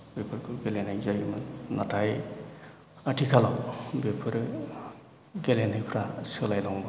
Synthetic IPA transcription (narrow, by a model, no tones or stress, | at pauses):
bepʰɯɾkʰɯɡelenajzajmɯnatʰaj | atʰikʰalawbepʰɯɾ | ɡelenijpʰɾasɯlajlɔŋbɯ